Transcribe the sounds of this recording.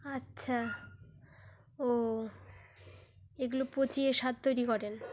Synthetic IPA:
atːɕʰa | o | eɡulopot͡ɕieʃat̪̚t̪ojɾikɔɾen

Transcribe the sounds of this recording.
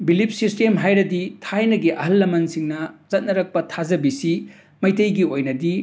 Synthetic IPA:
bilip̚sistemɦajɾɐditʰajnɐɡiʔɐɦɐlːɐmɐnsiŋnɐz̥ɐt̚nɐɾɐk̚pɐtʰazɐbisi | mɐjtɐjɡiojnɐdi

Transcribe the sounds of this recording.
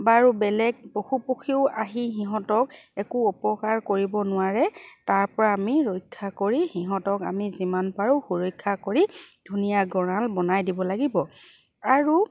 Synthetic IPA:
baɹubɛlɛɡ̚poxupuxʰiʊaɦiɦiɦɔtɔkɛkuɔpɔkaɹkoɹibɔnʊwaɹɛtaɹpɔɹaːmiɹojkʰːakoɹixiɦɔ̃tɔka̰mizimanpaɹuxuɹɔjkʰːakoɹidʱunijaɡɔɹalbɔnajdibɔlaɡibɔ | aɹu

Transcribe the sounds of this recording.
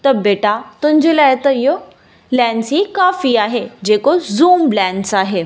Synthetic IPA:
t̪əɾbeʈat̪ũɲd͡ʑelaet̪əjo | lɛ̃nsikafiaɦed͡ʑekozuːmblɛ̃nsaɦe

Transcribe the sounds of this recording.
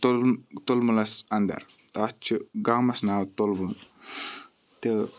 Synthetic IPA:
t̪ot̪olmulɐsɐnd̪ɐ̰ɾ | t̪aːt͡ʃʰiɡaːmɐsnaːwt̪olbun | t̪ɐ

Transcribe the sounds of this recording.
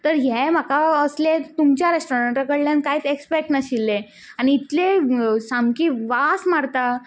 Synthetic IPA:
t̪əɾɦɛm̤akaəslẽt̪umt͡ɕjaɾesʈoɾəɳʈɾəkəɽljankaɦiːt͡sekspek̚ʈnəɕilːe | añiːt̪lesamkiːʋasmaɾt̪a

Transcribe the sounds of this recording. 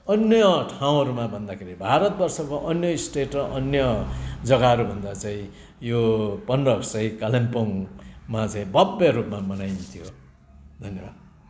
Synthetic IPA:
ʌnjʌʈʰaw̃ʌɾumabʱʌnd̪akʰeɾibʱaɾʌt̪̚bʌrsʌkoʔʌnjʌisʈeʈrʌʔʌnjʌd͡zʌɡaɦʌɾubʱʌnd̪at͡sãĩ | jopʌnrʌkt͡saĩkalempoŋmat͡saĩbʌbeɾupmamʌnajnt̪ʰijo | d̪ʱʌnjʌbad̪̚

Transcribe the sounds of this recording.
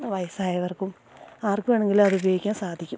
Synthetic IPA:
ʋɐjɐsaːjɐʋɐrkum | aːrkumaːɳeŋɡilɐðubjoːjikʲːaːnsaːd̪ʱikʲːum

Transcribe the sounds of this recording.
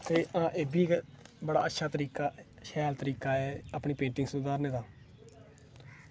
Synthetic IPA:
t̪eːʔãːʔeːbiːkbəɽa̰ːətːʃʰaːt̪əɾiːkaː | ʃɛːlt̪əɾiːkaːɛːapɳiːpẽːɳʈɪŋɡsʊd̪aːɾneːd̪aː

